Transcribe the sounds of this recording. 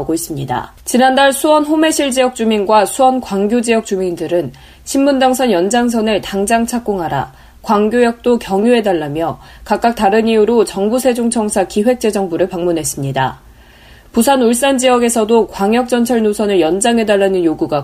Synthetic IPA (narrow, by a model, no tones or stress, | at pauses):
ɡois͈ɯmɲida̰ | t͡ɕinandaɭsʰuwʌnɸome̞ɕʰiɭd͡ʑijʌk̚t͡ɕ͈uminɡwasʰuwʌnkwaŋɡjod͡ʑijʌk̚t͡ɕumindɯɾɯn | ɕʰimmundaŋsʰʌnjʌnd͡ʑaŋs̬ʰʌnɯɭtaŋd͡ʑaŋt͡ɕʰak͈oŋɦaɾa̰ | kwaŋɡjojʌk̚t͈okjʌŋjue̞daɭːamjʌ | kak͈ak̚taɾɯɲiuɾot͡ɕʌŋbusʰe̞d͡ʑoŋt͡ɕʰʌŋsʰakiɸwe̞k̚t͡ɕ͈e̞d͡ʑʌŋbuɾɯɭpaŋmunɦe̞s͈ɯmɲida̰ | pusʰanuɭs̬͈and͡ʑijʌɡe̞sʰʌdokwaŋjʌk̚t͡ɕ͈ʌnt͡ɕʰʌɭnosʰʌnɯɭjʌnd͡ʑaŋɦe̞daɭːanɯnjoɡuɡa